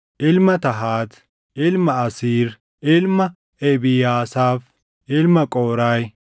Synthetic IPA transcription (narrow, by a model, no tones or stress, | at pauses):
ʔɪlmɐt̪ɐɦaːt̪ | ʔɪlmɐɐsiːɾ | ʔɪlmɐ | ɛbɪjaːsaːf | ʔɪlmɐkʼoːɾaj